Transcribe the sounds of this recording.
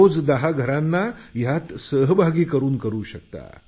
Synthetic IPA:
od͡zd̪əɦaɡʱəɾãnːajat̪səɦbʱaɡiːkəɾuːnkəɾuːɕək̚t̪a̰

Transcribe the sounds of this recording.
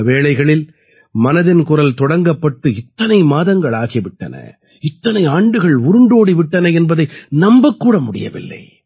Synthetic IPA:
ʋeːɭɐɪɣɐɭɪl | mɐnɐðɪnkʊrɐlt̪ɔɽɐŋɡɐpːɐʈːɯɪt̪ːɐnɐɪmaːðɐŋɡɐɭaːɣɪʋɪʈːɐ̰nɐ̰ | ɪt̪ːɐnɐɪaːɳɖɯɣɐɭʊɾɯɳɖoːɽiʋɪʈːɐnɐɛnbɐðɐɪnɐmbɐkːuːɽɐmʊɽɪjɐ̰ʋɪ̰lːɐ̰ɪ

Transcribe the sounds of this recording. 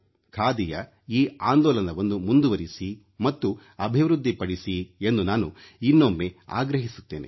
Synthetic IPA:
kʰaːd̪ijɐ | iːaːnd̪ɔːlɐnd̪ɐʋond̪umund̪uʋɐɾisi | mɐt̪ːu | ɐbʱiʋɾud̪ʱːipɐɽisie̞nd̪unaːnuinːomːea̰ːɡɾɐɦisu̥t̪ːe̞̰ːnḛ

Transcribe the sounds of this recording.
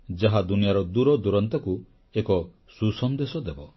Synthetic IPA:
d͡ʒaɦad̪unijaɾɔd̪uɾɔd̪uɾɔnt̪ɔku | ekɔ | susɔnd̪esɔd̪ebɔ

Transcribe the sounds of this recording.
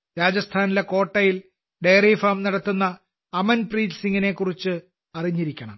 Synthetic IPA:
ɾaːd͡ʑɐst̪ʰaːnileko̞ːʈːɐjil | ɖejriːfaːmnɐɽɐt̪ːunːɐː | mɐnpriːlsiŋɡine̞kːurit͡ɕːɨ | ɐriɲːiɾikʲːɐɳɐ̰m

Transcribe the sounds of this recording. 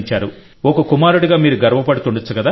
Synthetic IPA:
ɲt͡ʃaːɾu | ɔkɐkumaːɾuɽiɡaːmiːɾuɡɐɾʋɐpɐɽut̪uɳɖɐt͡sːukɐd̪aː

